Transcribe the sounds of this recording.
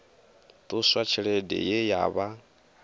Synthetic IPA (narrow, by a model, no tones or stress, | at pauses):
t̪ʼuswat͡ʃʰɛɺɛdɛ̰jɛja̰ːβa